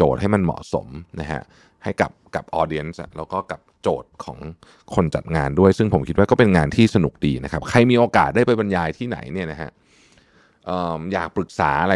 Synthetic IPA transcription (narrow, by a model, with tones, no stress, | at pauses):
oː˨˩t̪̚ɦa˥˩jma˧nmɔ̰˨˩so̰˩˦mna˦˥kʰa̰˦˥ʔ | ha˥˩jka̰˨˩p̚ka˨˩p̚ʔɔː˧di˧ənsʔa̰˨˩lɛː˦˥wkɔː˥˩ka˨˩p̚t͡ɕoː˨˩t̪̚kʰɔ̰ː˩˦ŋ | kʰo˧nt͡ɕa̰˨˩t̪̚ŋaː˧ndu˥˩əjsɯ˥˩ŋpʰo˩˦mkʰi˦t̪̚waː˥˩kɔː˥˩pe˧nŋaː˧nt̪ʰiː˥˩sa˧nu˨˩k̚diː˧na˦˥kʰa˦˥p̚kʰa˧jmiː˧ʔoː˧kaː˨˩t̪̚daː˥˩jpa˧jba˧njaː˧jt̪ʰiː˥˩na̰˩˦jni˥˩ɐna˦˥kʰa̰˦˥ʔ | ʔɤː˨˩mjaː˨˩k̚pɾɯ˨˩k̚sa̰ː˩˦ʔa˧ɾa˧